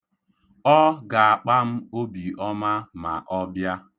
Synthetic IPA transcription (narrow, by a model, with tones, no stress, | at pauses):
ɔ˦ɡa˨a˨k͡pa˦m̩˦o˦bi˨ɔ˦ma˦ma̰˨ʔɔ˦bja˦